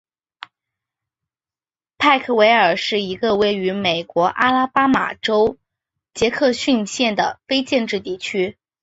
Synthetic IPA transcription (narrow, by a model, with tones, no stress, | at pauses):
pʰa˥˩ɪkʰə˩we˧˥ɪə˞˨˩ʂɻ̩˥˩i˧˥ɡə˧we˥˩ɪy˧˥me˨˩ɪkwɔ˧˥ʔa˥la˥pa˥ma̰˨˩ʈ͡ʂo˥ʊ | t͡ɕjɛ˧˥kʰɤ˥˧ɕy˥˧nɕjɛ˥˩nd̪ə˩fe˥ɪt͡ɕjɛ˥˧nʈ͡ʂɻ̩˥˧t̪i˥˩t͡ɕʰy˥